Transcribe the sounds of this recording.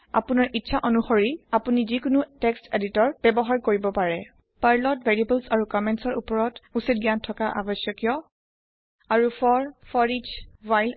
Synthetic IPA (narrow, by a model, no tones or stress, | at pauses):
a̰punaɹʔitːʃʰaʔɔnuxoɹiapunizikʊnutɛksteditɔɹb̥ɛbɔɦaɹkoɹibɔpaɹɛ | paɹlɔtveɹiebulsaɹukɔmɛntsɔɹupɔɹɔtusit̚ɡiantʰɔkaʔa̰bɔsjɔkijɔ | aɹufʰɔɹfʰɔɹid͡ʒwajl